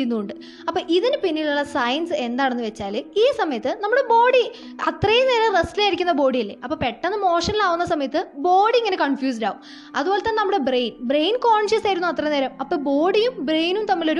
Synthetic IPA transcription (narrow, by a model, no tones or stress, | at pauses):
unːuuɳɖɨ | ɐpːoːʔiðinɨpinːiɭuɭːɐsɐjɐnsɨe̞nd̪aːɳenːɨʋet͡ɕːaːlɨiːsɐmɐjɐt̪ːɨnɐmːuɽebo̞ːɽi | ɐt̪rɐjneːɾɐrestilaːjiɾikʲːunːɐbo̞ːɽijilːe̞̰ʔɐpːoːpe̞ʈːɐnːɨmo̞ːʂɐnilaːʋunːɐsɐmɐjɐt̪ːɨbo̞ːɽiiŋːɐne̞kɐɳfjuːs̬ɖa̰ːʋum | ɐðuboːlet̪ːɐːnːenɐmːuɽebrejnbrejnkoːɳʂjusaːjiɾunːuɐt̪ːrɐneːɾɐmɐpːoːbo̞ːɽijumbrejnumt̪ɐmːilo̞ɾu